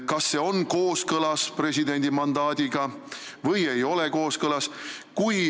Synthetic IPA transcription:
kɑsːe̞ːo̞nko̞ːskɤlɑspre̞s̬ʲid̪e̞nʲd̪̥imɑnd̪ɑːd̪̥ʲiɡ̥ɑ | vɤje̞jo̞le̞ko̞ːskɤlɑskuj

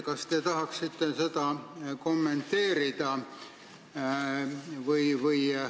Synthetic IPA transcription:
kɑst̪et̪ɑɦɑksit̪ːese̞t̪ɑko̞mːe̞nt̪ːe̞ːɾid̪̥ɑ | vɯjvɤj

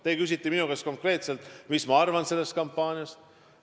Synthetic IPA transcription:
t̪e̞ːkys̬ʲit̪ˑːiminukesko̞ŋkre̞ːt̪selt̪ˑmismɑɑrvɑnse̞lːe̞st̪kɑmpːˑɑːnʲiɑst̪

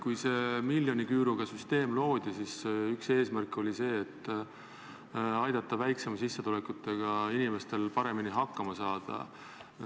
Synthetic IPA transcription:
kujse̞milʲːjo̞nikyːɾuɡ̥ɑsyst̪e̞ːmlo̞ːd̪̥isisykse̞ːsmærkːo̞lʲise̞ːt̪ːˑ | ɑjd̪ɑt̪ˑːɑvæjkse̞mɑsisːet̪ulekut̪ːˑe̞ɡ̥ɑinime̞st̪e̞lpɑɾe̞miniɦɑkːɑmɑsɑːd̪̥ɑ̰

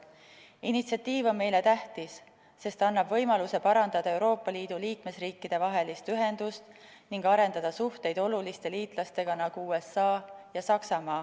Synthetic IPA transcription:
init̪siɑt̪ːiːvo̞nme̞jle̞t̪æht̪isː | e̞st̪ɑnːɑbvɤ̞jmɑluse̞pɑɾɑnd̪̥ɑd̪̥ɑe̞wɾo̞ːpːˑɑliːd̪̥uliːkme̞sriːkːid̪̥e̞vɑɦe̞list̪yɦe̞nd̪̥ust̪ | niŋɡɑɾe̞nd̪ɑd̪̥ɑsuht̪e̞jd̪̥o̞lulist̪e̞liːt̪ˑlɑst̪e̞ɡ̥ɑnɑɡ̥uuːe̞sɑːjɑsɑksɑmɑː

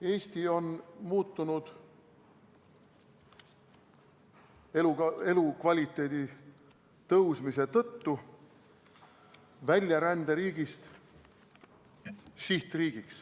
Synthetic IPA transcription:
e̞ːsʲt̪io̞nmuːt̪ːunud̪̥ | elue̞lukvɑlʲit̪ːˑe̞ːd̪̥i | t̪ɤwsmise̞t̪ɤ̞t̪ːu | vælʲjɑɾænd̪eɾiːɡ̥ist̪ | siht̪riːɡ̥iks

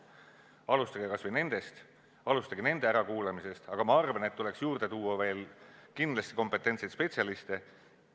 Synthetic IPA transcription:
ɑlust̪ɑɡikɑsvɯjne̞nd̪̥e̞st̪ | ɑlust̪ɑɡine̞nd̪̥e̞æɾɑkuːlemise̞st̪ɑɡ̥ɑmɑɑrvɑne̞t̪ːule̞ksjuːrd̪̥e̞t̪uːwːɑve̞ːlkind̪̥lɑst̪i̥ko̞mpːˑe̞t̪ːˑe̞nsejt̪spe̞t̪siɑlist̪e̞

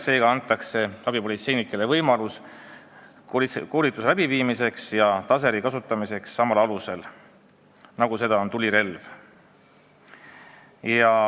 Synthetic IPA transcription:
se̞ːɡɑɑnt̪ːˑɑkse̞ɑb̥ipo̞lʲit̪se̞jnikːˑelevɤjmɑlus | ko̞ːlit̪ːˑus̬elæbiviːmise̞ksjɑt̪ɑs̬e̞ɾikɑsut̪ːˑɑmise̞ksːɑmɑlɑluse̞l | nɑɡuse̞d̪ɑo̞nt̪ulʲiɾe̞lv | jɑ

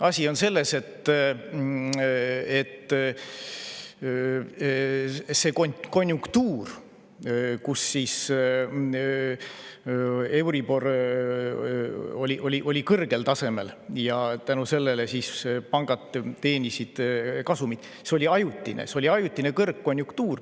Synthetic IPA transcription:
ɑsʲio̞nse̞lːe̞se̞t̪ː | et̪ː | se̞koko̞nʲːjuŋkt̪uːr | kusːiːs | ewɾibo̞r | o̞lʲiʔo̞lʲiʔo̞lʲikɤrɡ̥e̞lt̪ɑse̞me̞̰ljɑt̪ænuse̞lːele̞siːspɑŋɡ̥ɑt̪t̪e̞ːnisid̪̥kɑsumid̪̥ | seo̞lʲiɑjut̪ʲːˑinḛseolʲiɑjut̪ʲːˑinekɤrkkːo̞nʲjuŋkt̪uːr

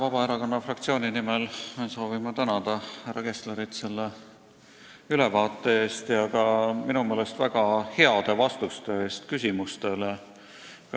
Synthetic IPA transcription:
vɑb̥ɑeɾɑkonːɑfrɑkt̪sio̞ːnʲinimelonso̞ːvimɑt̪ænɑd̪̥ɑhæɾɑke̞sleɾit̪se̞lːe | ylevɑːt̪ˑːe̞e̞ːst̪jɑkɑminume̞ːlest̪væɡ̥ɑhe̞ɑd̪̥e̞vɑst̪ust̪e̞eːst̪kysʲimust̪e̞le

